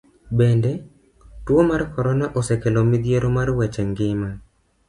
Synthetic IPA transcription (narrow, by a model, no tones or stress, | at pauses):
bɛndɛ | twomarkɔɾɔnaʔosekelomid̪jeɾomarwɛt͡ʃɛŋɡɪma